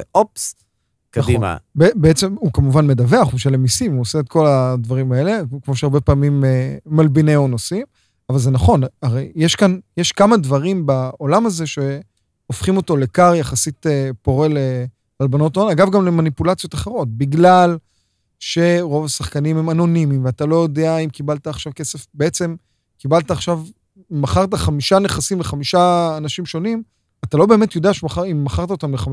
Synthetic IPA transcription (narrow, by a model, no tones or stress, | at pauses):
ops | kaaχima̰bebeet͡semukamuvanme̞dave̞aχumʃalemisimuoseːt̪kʰo̞ladvaʁimae̞le̞kmo̞ʃeaʁbe̞paːmimeːalbineonosim | avalze̞naχo̞naʁejjeʃkanjeʃkamadvaʁimbaolamaze̞ʃe̞ | ofχimo̞to̞le̞kaʁjaχasitepo̞ʁe̞le | albano̞toanaɡavɡamle̞manipulat͡sijo̞t̪aχeʁo̞t̚biɡlal | ʃe̞ʁo̞vasaχkanimhemano̞nimimveatalo̞jo̞deaimkibalt̪aːχʃavke̞se̞fbeet͡se̞m | kibalt̪aːχʃav | maχaʁt̪̬aχamiʃane̞χasimleχamiʃaːnaʃimʃo̞nim | atalo̞be̞me̞t̪jo̞deaʃeaaimːaχaʁt̪̬aot̪amleχa